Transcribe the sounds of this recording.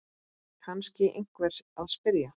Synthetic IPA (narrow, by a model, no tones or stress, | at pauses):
kʰanscɪʔḛjŋ̥kvɛɾ̥aðspɪɾja